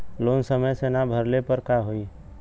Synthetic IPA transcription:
loːnsəməjsenabʱəɾlepəɾkaɦoi

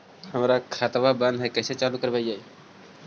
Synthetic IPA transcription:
həmɾakʰat̪əʋabanɦajkəset͡ʃalukəɾbaid͡ʒaj

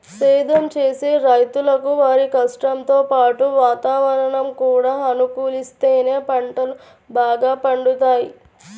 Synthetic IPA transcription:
sɛːd̪ʱɐmt͡ʃeːseːɾɐjt̪ulɐkuʋaːɾikɐsʈɐmt̪o̞ːpaːʈuʋaːt̪aːʋɐɾɐɳɐmkuːɽaːɐnukuːlist̪e̞ːne̞ːpɐɳʈɐlu | baːɡaːpɐɳɖut̪aːji

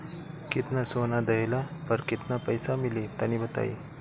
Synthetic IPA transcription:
kit̪nasonad̪əjlapəɾkit̪napəjsamilit̪anibət̪a̰ḭ

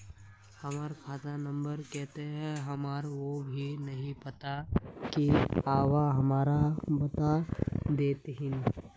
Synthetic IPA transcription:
hɐmaːɾkʰaːt̪anɐ̃mbəɾkɛɦt̪eɦɛ̃ɦɐmaːɾʋobʱinɐɦĩpɐt̪akiaːʋaɦɐmaːɾabɐt̪ad̪eːt̪ɦɪn

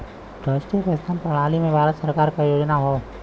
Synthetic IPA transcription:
ɾaːʃʈɾiəpest̪ʰaːmpɾɐɽ̃aːlimẽbʱaːɾət̪səɾkaːɾkajoːd͡ʒnaɦoː

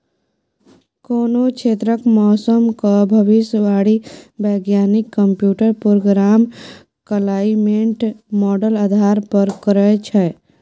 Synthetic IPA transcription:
koːnokʰeːt̪ɾəkmɔːsəmkabʱəʋɪsjəʋaːɽibɛːɡjaːnɪkːə̃mpjuːʈəɾpɾoɡɾaːm | kəlaːimẽɳʈmɔːɖəlaːd̪ʱaːɾpəɾkəɾət͡ʃʰɛ

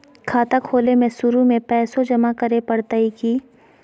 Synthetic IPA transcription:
kʰaːt̪akʰoːlemẽsʊɾumẽpɛːsõd͡ʒɐmakɐɾepɐɽt̪aikiː

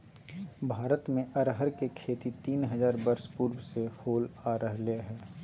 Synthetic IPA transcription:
bʱaːɾət̪mẽʔəɾɦəɾkekʰeːt̪it̪iːnɦəzaːɾbəɾspuːɾbsehoːlaːɾəɦleɦɛː

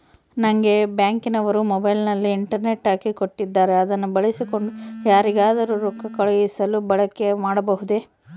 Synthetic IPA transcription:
nɐŋɡe̞bjaːŋkinɐʋɐɾumɔbɐjlnɐlːiːɳʈɐɾne̞ʈːaːkiko̞ʈːid̪ːaːɾe̞ɐd̪ɐnːubɐɭisiko̞ɳɖujaːɾiɡaːd̪ɐɾuɾukːɐkɐɭɐjisɐlubɐɭɐkːe̞maːɽɐbɐɦud̪e

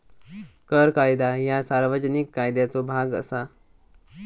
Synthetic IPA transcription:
kəɾkajd̪ajasaɾʋəd͡ʑənikːajd̪jat͡sobʱaɡə̰sa

